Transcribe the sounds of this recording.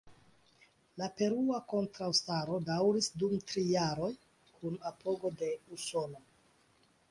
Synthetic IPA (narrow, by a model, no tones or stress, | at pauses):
lape̞ɾuako̞ntɾawstaɾo̞dawɾisdumtɾijaɾo̞j | kʰunapo̞ɡo̞de̞uso̞no